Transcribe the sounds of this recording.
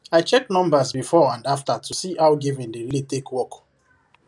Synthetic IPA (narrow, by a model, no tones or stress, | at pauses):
aɪt͡ʃɛknɔ̃mbazbifɔãndaftatʰusiʔaʊɡivĩndilitekwɔk